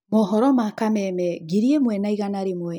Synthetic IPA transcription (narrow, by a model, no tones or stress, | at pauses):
mɔɦɔɾɔmakamɛmɛɡiɾiɛmwɛnaiɣanaɾimwɛ